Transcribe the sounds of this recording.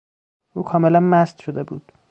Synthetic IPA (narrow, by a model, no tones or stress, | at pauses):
ʔuːkʰɒːmelænmæst̪ʃod̪e̞buːd̪̥